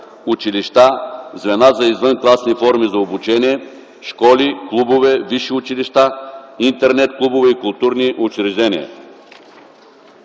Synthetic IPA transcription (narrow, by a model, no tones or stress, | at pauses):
ʊt͡ʃiliʃt̪azvɛnazɐizvənklˠasnifɔɾmizɐobut͡ʃɛnʲiɛ | ʃkɔliklˠubovɛviʃiʊt͡ʃiliʃt̪aint̪ɛɾnɛt̪klˠubovɛikʊlˠt̪uɾniʔʊt͡ʃɾɛʒɛnʲiɛ̰